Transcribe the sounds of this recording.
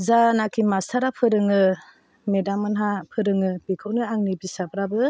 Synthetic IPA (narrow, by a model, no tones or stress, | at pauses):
zanakʰimastʰaɾapʰɯɾɯŋɯ | medamɯnɦapʰɯɾɯŋɯb̥ikʰɯwnɯaŋnibisabɾabɯ